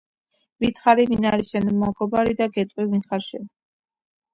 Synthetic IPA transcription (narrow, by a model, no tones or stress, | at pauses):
vit̪ʰχaɾivinaɾiʃɛnɔmaɡɔbaɾid̪aɡɛt̪ʼivinχaɾʃɛn